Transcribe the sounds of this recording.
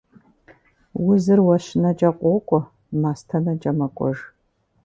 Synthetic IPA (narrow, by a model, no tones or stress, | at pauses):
wʊzɨrwɐɕɪnɐd͡ʒʼɐqʷʼɔkʷʼʊ | maːstʰɐnɐd͡ʒʼɐmɐkʷʼɔ̰ʒ